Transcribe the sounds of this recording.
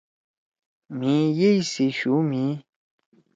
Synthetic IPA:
mĩjeiseʃumĩ

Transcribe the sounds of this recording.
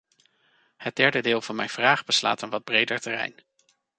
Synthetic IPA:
həd̚dɛɹdədɪːlˠvɑnmɛjnv̥raːχbəsla̰ːtənʋɑd̚brejdəɹtɛrɛ̰jn

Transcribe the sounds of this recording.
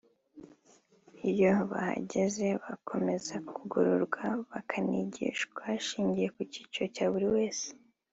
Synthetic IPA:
ijo̞βa̰ha̰ɟeze̞βakʰo̞me̞zakuɡuɾuɾɡwaβakʰaniɟḭːʃkwaʃiːɲɟije̞kucit͡ʃocaβuɾiwe̞ːse̥

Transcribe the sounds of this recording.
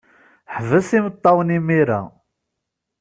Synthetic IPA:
ħvəsimət̪ˤːɑwənimiɾæ̰

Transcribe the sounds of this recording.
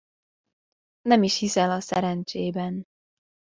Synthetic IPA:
nɛmiʃhisɛlɒsɛɾɛnt͡ʃeːbɛn

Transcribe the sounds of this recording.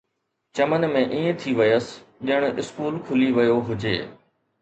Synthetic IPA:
t͡ɕɐmənmẽʔiːẽt̪ʰiʋɪjəsɗɪəɽ̃ɪ̰skuːlkʰʊliʋɐjoɦʊd͡ʑḛː

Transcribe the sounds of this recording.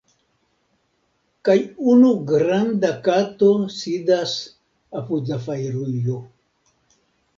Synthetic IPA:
kajunuɡɾand̪akat̪osid̪as | apuzafajɾujo

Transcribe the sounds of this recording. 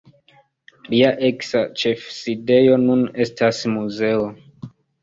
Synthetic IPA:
liaʔe̞ksat͡ʃe̞fside̞jo̞nune̞stasmuze̞o

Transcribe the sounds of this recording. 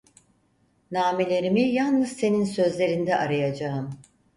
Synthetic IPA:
naːmelʲe̞ɾimijalˠnɯz̥se̞ninsø̞zlʲe̞ɾind̪ɛʔaɾajad͡ʒaɯm

